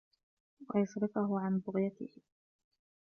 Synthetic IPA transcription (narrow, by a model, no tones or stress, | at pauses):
wa̰jʊsɾɪfʊɦʊʕanbʊɣjat̪ɪ̰h